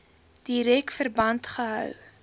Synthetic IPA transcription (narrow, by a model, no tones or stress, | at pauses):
d̥iɾɛkfərbɐntχəɦœ̰w